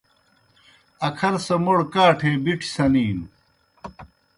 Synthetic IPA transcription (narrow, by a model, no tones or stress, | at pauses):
ɐkʰɐɾsɐmoɽkaːʈʰeːbiʈʰi̥sɐniːn